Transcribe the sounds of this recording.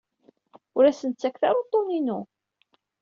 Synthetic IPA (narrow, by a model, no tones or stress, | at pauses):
ʊɾæsənt̪t͡sːækːθɑɾˤot̪ˤːoninu